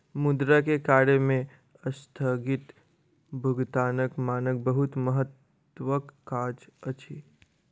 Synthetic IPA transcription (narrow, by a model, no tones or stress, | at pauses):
mʊd̪ɾakekaːɾemẽ | əst̪ʰəɡɪt̪ | bʱʊɡt̪aːnəkmaːnək̚bəɦʊt̪məɦət̪ː | ʋəkːaːd͡ʒət͡ʃʰi